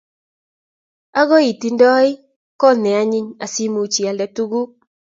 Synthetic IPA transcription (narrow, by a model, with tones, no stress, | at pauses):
a˦ɡɔ˦i˨ti˨ndɔ˦ɪ˦ | kɔ˦˨nɛ˨a˦ɲɪ˦ɲa˨si˦mu˨t͡ʃi˨a˨lɛ˨tu˦ɡu˦